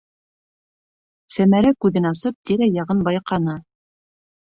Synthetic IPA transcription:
sæmæɾækʉðɘnɑsɤp̚t̪iɾæjɑʁɤnbɑjqɑnɤ

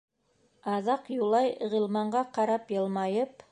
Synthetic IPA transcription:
ɑzɑqjulˠɑjʁĭlˠmɑɴʁɑqʰɑɾɑpjɤlˠmɑjəp

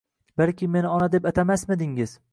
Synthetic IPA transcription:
balkʲɪme̞nɪɒnad̪e̞pat̪ʰamasmɪd̪ɪŋɪz̥

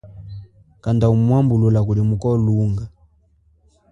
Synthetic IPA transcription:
kandaumuwambululak̬ulimukɔluŋɡa

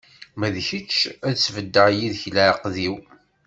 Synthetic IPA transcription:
mæðçət͡ʃːæt͡sːvəd̪ːəʕjiðçləʕəqðiw

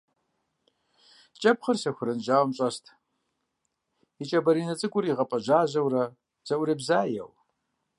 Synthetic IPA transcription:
t͡ʃʼɐpχərsɐxʷʊɾɨnʒaːwmɕʼɐstʰ | it͡ʃʼɐbɐɾiːnɐt͡sʼɨkʷʼʊɾiːʁɐpʼɐʑaːʑɐwrɐ | z̥ɐʔʊɾibzaːjɛ̰w

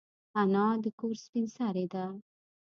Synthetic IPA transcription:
anɑ̃d̪əkoɾspinsaɾed̪a

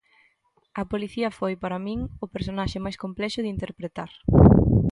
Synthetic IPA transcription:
ɐpoliθiɐfojpaɾɐmĩŋʊpeɾsonaʃɪmajskomplɛʃʊðɪint̪eɾpɾet̪aɾ

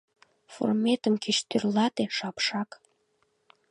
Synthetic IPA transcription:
fo̰rmet̪əmkiʃt̪ørlɑt̪eʃɑpʃɑk

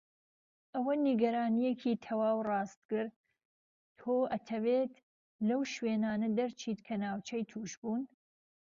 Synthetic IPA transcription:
ʔɐwɐniɡɐɾaːnijekʰiːt̪ʰɐwaːwrɑːst̪̚kɨɾd̪ | t̪ʰoːʔɐt̪ʰɐveːt̪ | lɐwʃweːnaːnɐd̪ɐɾt͡ʃʰiːt̪kʰɐnaːwt͡ʃʰɐjt̪ʰuːʃbuːn

